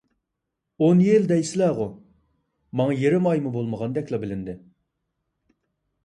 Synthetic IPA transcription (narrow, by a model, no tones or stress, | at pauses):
onjeld̪ɛjsɪlɛʁʊ | mɑŋɑjeɾɪmɑjmubolˠməʁɑnd̪ɛkʲlˠɑbɪlɪnd̪ɪ